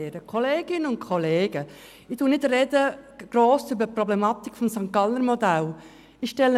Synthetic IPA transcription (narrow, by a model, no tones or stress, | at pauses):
eːɾəkʰoleːɡ̥ɪnəʊnt̚kʰɔleːɡ̥ə | ɪtuːnɪdrɛdəɡ̥ɾoːsybəpɾɔblɛmɑt̪ikfɔmsɑŋkːɑləɾmodæl | ɪxʃtɛlə